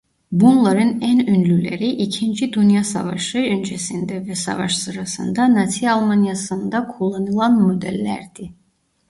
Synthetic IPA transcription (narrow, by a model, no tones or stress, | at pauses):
bunlˠɑɾɯnænynlylæɾiʔicʰind͡ʒid̪unjɑsɑ̰vɑ̰ʃɯønd͡ʒesind̪ɛvɛsɑ̰vɑʃsɯɾɑsɯ̰nd̪ɑnɑt̪ʰiɑlˠmɑnjɑsɯnd̪ɑkʰolˠːɑnɯlˠɑnmod̪ælːæ̰ɾd̪̥i